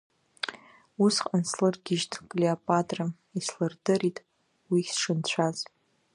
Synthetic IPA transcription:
usqʼanslɨrɡʲɪʒtʰkʼleopʼatʼra | islɨrdɨritʼ | wisʂɨnt͡ɕʷʰaz

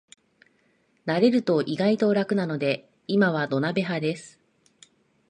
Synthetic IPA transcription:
naɾe̞ɾɯ̟t̪o̞ʔiɡait̪o̞ɾakɯ̟nano̞d̪e̞ | imaβ̞ad̪o̞nabe̞ɦad̪e̞sɨ̥

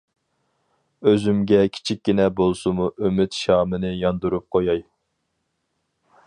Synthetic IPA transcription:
øzymɡʲɛkʲʰi̥t͡ʃʰik̚ʲːinɛbolˠsumuʔømyt̪ʃɑːmɨnɨjɑnd̪uɾup̚qʰojɑj

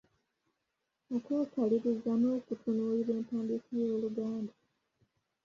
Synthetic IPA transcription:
okoːkaliɾizamoːkutʰunuːliβe̞ːntaːmbikijo̞ːluɡaːnda

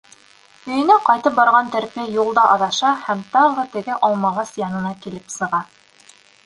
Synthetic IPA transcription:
ɵ̆jɘ̆næqɑjt̪ɤp̚bɑɾʁɑnt̪æ̆ɾpiæjulˠd̪ɑʔɑðɑʃɑhæmt̪ɑʁɤt̪ɘ̆ɡɘʔɑlˠmɑʁɑsjɑnɤ̆nɑkilɘpsɤ̆ʁɑ

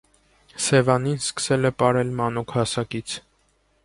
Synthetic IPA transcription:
sɛvɑninskə̥sɛlɛpɑɾɛlmɑnukʰhɑsɑkit͡sʰ

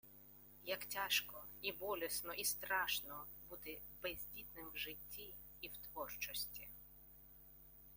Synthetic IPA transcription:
jɐktʲaʃkɔibɔlʲɛsnɔʔist̪ɾɑʃnɔ | but̪ɪ | bɛzʲdʲit̪nɪmwʒɪtʲːiː | wt̪ʋɔrt͡ʃɔsʲtʲi

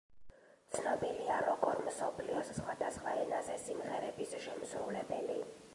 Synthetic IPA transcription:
t̪sʰnɔbiliaɾɔkʼɔɾmsɔpʰliɔssχwad̪asχwaɛnazɛsimʁɛɾɛbisʃɛmsɾulɛbɛli

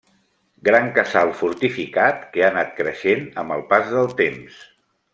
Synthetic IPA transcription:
ɡɾaŋkəsalˠfuɾt̪ifikat̪keanat̪̚kɾəʃenəmbəlˠpazðəlˠt̪ems

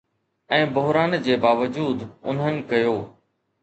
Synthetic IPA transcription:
ɛ̃ːbʊɦɾaːnd͡ʑeːbaːʋəd͡ʑuːd̪ʊ̰n̤ənɪ̆kɐjoː

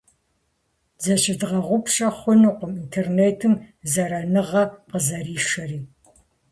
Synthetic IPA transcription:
d͡zɐɕɪdʁɐʁʷʊpʰɕʼɐχʷʊnɨqʷʊmintʰeːrneːtʰɨmzɐɾɐnɨʁɐqəzɐɾiːʂɐriː

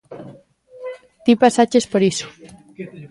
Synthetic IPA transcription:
t̪ipasat͡ʃespoɾiso̥

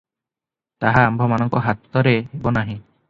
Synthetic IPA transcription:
t̪aɦaːmbʱɔmanɔŋkɔɦat̪ːɔɾeebɔnaɦĩ

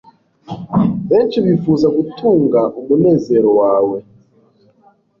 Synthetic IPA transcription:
βeːnt͡ʃiβifuːzaɡutʰuːŋɡaʔumune̞ːze̞ɾowaːwe̞

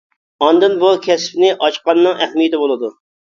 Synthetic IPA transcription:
ɑnd̪ɨnbukʲʰɛspnɪʔɑt͡ʃqɑnːɨŋʔæχmijt̪ʰɪbolˠɨd̪u

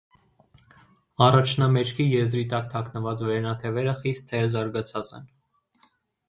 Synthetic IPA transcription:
ɑrɑt͡ʃʰnɑmɛt͡ʃʰkʰijɛzɾit̪ɑkt̪ʰɑknəvɑt͡svɛɾɛnɑt̪ʰɛvɛɾəχist̪ʰːɛɾzɑɾɡɑt͡sʰɑt͡sɛ̰n

